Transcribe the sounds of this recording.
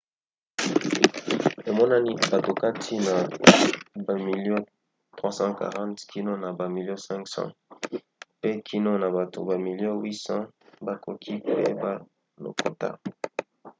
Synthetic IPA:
e˨mɔ˦na˦ni˦ba˨to˨ka˦tʰi˦na˨ | ba˨mi˨ljɔ̃˦ | tʁwa˦sɑ̃˦ka̰˨ʁɑ̃˦tkʰi˦no˦na˨ba˨mi˨ljɔ̃˦sɛ̃˦ŋksɑ̰̃˦ | pe˦kʰi˦no˦na˨ba˨to̰˨ba˨mi˨ljɔ̃˦wi˦sɑ̃˦ba˦kʰo˨kʰi˦pḛ˦ba˦ | no̰˨ko̰˨ta̰˦

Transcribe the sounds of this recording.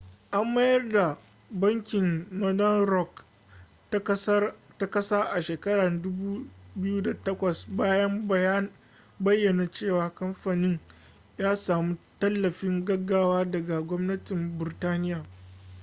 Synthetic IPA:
ʔa˦mbɐ˦jɐ˦rda˨ | bɐ˦ŋkʲɪ˨ŋmɐ˦dɐ˦nɾɔ˦k | ta˦kɐ˦saː˦ʔa˨ʃeː˨kɐ˦ɽa˨dʊ˦buː˦bɪ˦ju˦da˨tɐ˦kʷɐ˨sbaː˦jɐ˦m˦ja˦n | bɐ˦jːɐ˨na˨t͡ʃeː˦˨waː˨kɐ˦mɸaː˨nɪ˦ɲ | jaː˦saː˨mu˦tɐ˦lːɐ˨ɸɪ˦ŋɡɐ˦ɡːaː˦waː˦dɐ˨ɡa˨ɡʷɔ˦mnɐ˦tɪ˨mbɪ˨ɾtaː˦nɪ˦jaː˨

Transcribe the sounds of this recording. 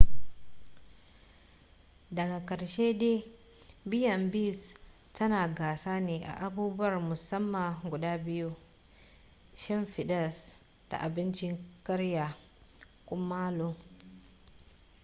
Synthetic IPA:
dɐ˨ɡa˨kɐ˨ɾʃeː˦deː˦ | bɪ˦jɐ˨mbi˦s | tɐ˦naː˨ɡaː˨saː˦neː˨ʔa̰˨ʔa˨buː˦bʊ˦wɐ˨rmʊ˨sɐ˦mːa˨ɡʷʊ˨daː˦bɪ˦ju˦ | ʃɪ˦mɸɪ˨ɗɐ˦˨s | d̥a̰˨ʔa˨bɪ˦nt͡ʃɪ˦ŋkɐ˦ɽja˨ | kʷʼʊ˦mːaː˦lo˦

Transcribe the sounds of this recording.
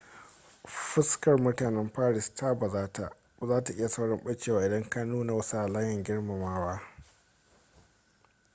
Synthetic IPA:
ɸɪ˦skɐ˨rmʊ˦taː˨nɛ˦mɸaː˦ɽɪ˨stʰaː˦ba˨zaː˦ta˨ʔ | zaː˦ta˨ʔɪ˦ja˨sɐ˦wɽɐ˦mɓɐ˦t͡ʃeː˨waː˨ɪ˨dɐ˦ŋkɐ˦nːuː˦na˨wɐ˦sa˨laː˦jɐ˨ŋɡʲɪ˦ɽma˨maː˦waː˦

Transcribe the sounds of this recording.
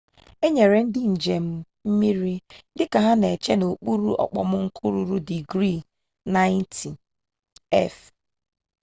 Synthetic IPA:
e˦ɲe˨ɾe˨n̩˦dɪ˦n̩˨d͡ʒe˨m̩˦ | m̩˦mi˦ɾi˦dɪ˦ka˨ɦa˦ne˨t͡ʃe˦no˨k͡pu˦ɾu˦ɔ̰˨k͡pɔ̰˨mʊ˦ŋ̩˦kʰu˦ɾu˦ɾu˦di˨ɡɾi˦˨ | na˦ɪ˦n˦ti˨ | ɛ̰˦˨f

